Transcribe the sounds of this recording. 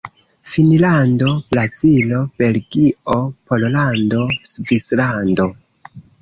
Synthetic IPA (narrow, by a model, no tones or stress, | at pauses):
finlando̞plat͡silo̞b̥e̞lɡiopo̞llando̞svislando̞